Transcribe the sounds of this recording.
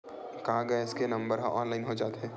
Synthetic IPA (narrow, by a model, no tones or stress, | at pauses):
kaːɡɐɪskenɐ̃mbəɾɦaʔɔːnlaːɪnɦod͡ʒaːt̪ɦɛː